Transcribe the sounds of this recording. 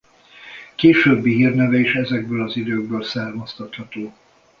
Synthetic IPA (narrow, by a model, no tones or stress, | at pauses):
keːʃøːbːiɦiːrnɛvɛiʃɛzɛɡbøːlɒzid̪øːɡ̚bøːlsaːrmɒst̪ɒt̪hɒt̪oː